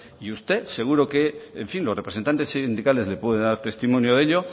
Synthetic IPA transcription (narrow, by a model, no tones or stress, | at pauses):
iust̪e̞se̞ɣ̞uɾoke̞ːɱfinlo̞repɾesent̪ant̪esind̪ikale̞zle̞pwe̞ðend̪aɾt̪e̞st̪imonjoðe̞ʎo̞